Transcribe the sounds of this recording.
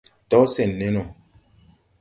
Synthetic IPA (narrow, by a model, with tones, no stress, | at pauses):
tɔ˦sɛ˨nːɛ˦nɔ˨